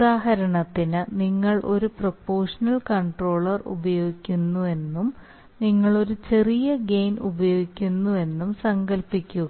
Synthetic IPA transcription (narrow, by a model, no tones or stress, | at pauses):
ud̪aːɦɐɾɐɳɐt̪ːinɨniŋːɐɭʔo̞ɾuprɐpːo̞ːrʂɐnɐlkɐɳʈro̞ːɭɐrṵbɐjo̞ːɡikʲːunːue̞nːum | niŋːɐɭo̞ɾut͡ɕe̞rijɐɡe̞jnubɐjo̞ːɡikʲːunːue̞nːumsɐŋɡɐlpikʲːu